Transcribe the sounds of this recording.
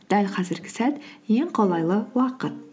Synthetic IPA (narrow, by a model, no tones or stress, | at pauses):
d̪̥ælqʰɑzɪɾɡʲɪ̥sæt̪je̞ŋqʰolˠɑjlˠəwɑqət̪̚